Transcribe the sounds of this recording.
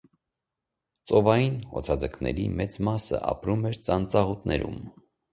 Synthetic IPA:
t͡sɔvɑjinɔ̰t͡sʰɑd͡zəkʰnɛ̰ɾḭmɛt͡smɑsə̰ʔɑ̰pɾumɛɾt͡sɑnt͡sɑʁut̪nɛɾum

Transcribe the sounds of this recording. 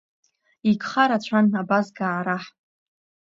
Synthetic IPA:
ikχaɾat͡ʃʷʰanabasɡaːɾaħ

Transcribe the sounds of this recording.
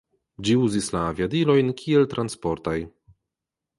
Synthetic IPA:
d͡ʑiwzislavʲjad̪ilɔjnkʲʰiɛlt̪ɾʔanspɔɾt̪aj

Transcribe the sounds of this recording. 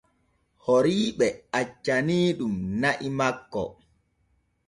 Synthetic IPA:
hoɾiːɓɛat͡ʃːaniːɗumnaʔimakːɔ̰

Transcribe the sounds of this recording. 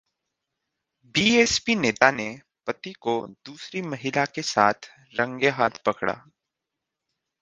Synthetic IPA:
biːeːspineːt̪ane | pɐt̪ikod̪uːsɾimɐɦɪlakesa̰ːt̪ʰ | ɾɐ̃ŋɡeɦaːt̪ʰpɐkɽa̰ː

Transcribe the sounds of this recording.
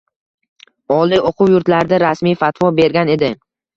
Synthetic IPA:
ɒlˠiʔoqʰʊwjʊɾt̪laɾd̪aɾasmijfat̪ʰwɒbe̞ɾɡʲane̞d̪ɪ

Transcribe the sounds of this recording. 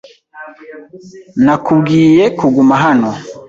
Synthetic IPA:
nakuɡijɛkuɡumaɦanɔ

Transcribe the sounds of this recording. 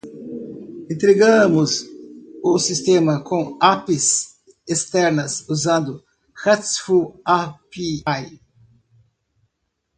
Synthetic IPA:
ẽnt̪ɾeɡɐ̃mʊz | ʊsist̪ẽmɐkõapɪz | est̪ɛɾnɐsuzɐ̃nd̪ʊ | hɛt̪sfuapiaj

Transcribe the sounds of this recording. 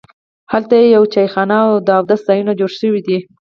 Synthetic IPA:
halt̪ajejawt͡ʃajxɑnawd̪əawd̪asz̥ɑjunod͡ʒoɽʃəwid̪i

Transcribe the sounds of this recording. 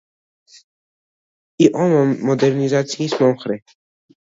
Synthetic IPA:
iʔɔnɔmːɔd̪ɛɾnʲizat̪sʲjismɔmxɾɛ

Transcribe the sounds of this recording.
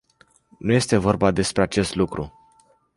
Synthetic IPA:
nuje̞st̪e̞vo̞rbad̪e̞spɾeat͡ʃe̞st̪lukɾṵ

